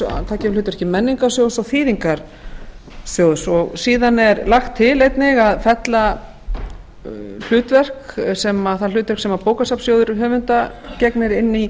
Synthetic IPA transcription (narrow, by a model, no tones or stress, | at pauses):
a̰t̪ʰaːcɪlʏːt̪ʏɾɛhcɪmɛnːiŋkasjowðsawθiːðiŋkaɾ̥ | sjoːwðsɔɣsiːðanɛɾlaxt̪ʰːɪlejt̪nɪɣaðfɛt̪la | l̥ʏːt̪vɛr̥ksɛmaθal̥ʏːt̪vɛɾksɛmapoːwkasapsjowðʏɾɦœːvʏnt̪acɛknɪɾɪnːi